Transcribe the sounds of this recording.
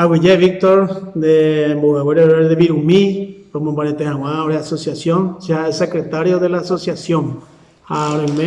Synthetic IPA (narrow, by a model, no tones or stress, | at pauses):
awiʝeβik̚t̪oɾd̪embuɣaweɾeɾeðeβiɾumipomumbaɾet̪ehãw̃ãoɾeasosjasjonsiaesekɾet̪aɾjoðelaːsosjasjoŋ | aɾojme